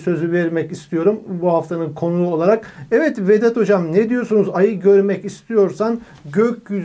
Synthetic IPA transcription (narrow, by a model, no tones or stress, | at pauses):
sø̞zyvɛɾmɛcist̪ʰijo̞ɾumbuhaft̪ʰanɯnkʰo̞nulˠuolˠaɾakɛvɛt̪ved̪ɛt̪o̞d͡ʒamnɛd̪ijo̞sunuzajɯɟø̞ɾmɛcist̪ʰijo̞ɾsan | ɟøcʲɟyz